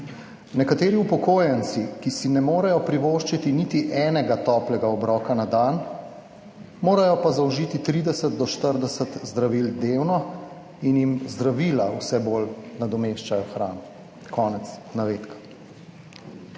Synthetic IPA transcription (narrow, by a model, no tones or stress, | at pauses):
nɛkat̪eːɾiupɔkoːjɛnt̪sikisinɛmoːɾɛjɔpɾiʋoʃt͡ʃit̪init̪iʔɛːnɛɡat̪ɔːplɛɡaɔbɾɔːkanad̪an | moːɾajɔpazawʒiːt̪it̪ɾiːd̪ɛsət̪̚d̪ɔʃt̪əɾd̪ɛsət̪zd̪ɾaʋiːld̪ewnɔ | injimzd̪ɾaʋiːlawsɛbolnad̪ɔmeːʃt͡ʃajɔxɾaːnɔ | kʰɔːnɛt̪snaʋeːt̪kḁ